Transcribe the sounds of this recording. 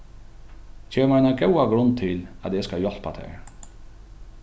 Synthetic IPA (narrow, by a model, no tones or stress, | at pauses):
ceːmanakɛwaɡɾʊnt̪ʰːɪla̰d̪eːskajɔɬpat̪ʰɛ̰ɾ